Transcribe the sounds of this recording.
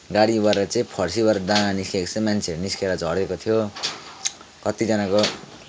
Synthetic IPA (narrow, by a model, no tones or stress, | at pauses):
ɡaɽibaʌt͡sʌĩpʰʌrsibaɾʌd̪ãaniskekt͡sʌ̃mant͡sʰeɾniskeɾʌd͡zʱʌɽekot̪ʰijo | kʌt̪id͡zʌnako